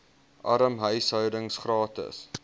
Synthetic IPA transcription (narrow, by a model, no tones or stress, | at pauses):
ʔɐɾəmɦœjsɦœwdəŋsχrɑːtə̰s